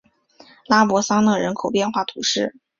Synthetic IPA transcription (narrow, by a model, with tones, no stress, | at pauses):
la˥pwɔ˧˥sɑ˥ŋnɤ˥˩ɻə˧˥nkʰo˨˩ʊpjɛ˥˧nxwa˥˩t̪ʰu˧˥ʂɻ̩˥˩